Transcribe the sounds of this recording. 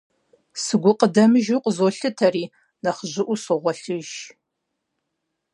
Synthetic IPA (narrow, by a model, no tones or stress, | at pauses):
sɨɡʷʊqʼədɐmɨʒuqʷʼəzoɬɨtʰɐriː | nɐχəʑɪʔʷusʊʁʷɔɬɨʒ